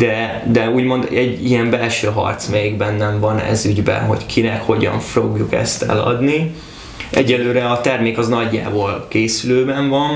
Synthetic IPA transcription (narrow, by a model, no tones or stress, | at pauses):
d̪̥ɛ | d̪ɛuːɟmo̞nd̪ɛɟːiɛɱbɛlʃøːɦɒ̰rt̪smɛjiɡbɛnːɛɱvɒnɛ̰zyɟbɛ̰nɦo̞̰ckʰinɛkho̞ɟɒ̰ɱfroɡjukɛ̰st̪ɛ̰lɒ̰d̪ni | ɛɟːɛlːøːɾɛɒt̪ɛrmeːkɒznɒɟːa̰ːbolkeːsyløːbɛɱvɒn